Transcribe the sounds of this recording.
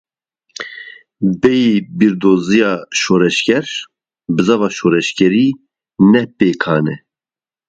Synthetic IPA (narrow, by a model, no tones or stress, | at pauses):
bɛjibiɾd̪oːzijɑːʃoːɾɛʃkɛɾ | bɨzɑvɑːʃoːɾɛʃkɛɾiː | nɛpeːkʰɑːnɛ